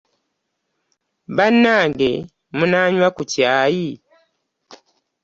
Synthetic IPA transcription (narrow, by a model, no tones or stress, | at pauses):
banaŋɡḛ | munaɲwakutjaːji